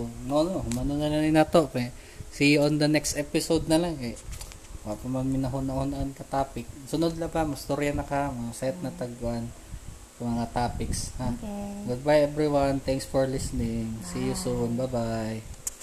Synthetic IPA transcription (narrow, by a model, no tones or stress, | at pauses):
nonohʊmɐnonɐnɐnɪnɐt̪oʔkɐ | sijʔond̪ɐnɛkst̪ʔɛpɪsowd̪̚nɐlaŋɐ | waʔpɐmɐnmɪnɐɦʊnɐhʊnɐʔɐnkɐt̪aːpɪk̚sʊnod̪lɐbamɐst̪oɾjɐnɐkamosɛt̪̚nɐt̪ɐɡwan | sɐmɐŋat̪aːpɪkshaɡʊd̪̚bajʔɛbɾiwant̪ɛŋksfoɹlisnɪŋsijʊsonbɐba